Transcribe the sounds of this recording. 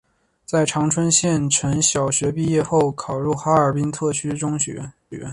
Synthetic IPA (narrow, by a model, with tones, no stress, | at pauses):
t͡sa˥˩ɪʈ͡ʂʰɑ˧˥ŋʈ͡ʂʰwə˥nɕjɛ˥˩nʈ͡ʂʰə˧˥ŋɕjɑ˨˩ʊɕɥɛ˧˥pi˥˧jɛ˥˧xo˥˩ʊkʰɑ˨˩ʊɻu˥˩xa˥ə˞˨˩pi˥ŋt̪ʰɤ˥˩t͡ɕʰy˥ʈ͡ʂʊ˥ŋɕɛ̰˧˥˧ | ɛ˨˩ɥɛ̰˧˥n